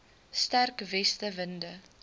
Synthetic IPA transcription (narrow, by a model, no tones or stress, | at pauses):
stærkvɛstəvəndə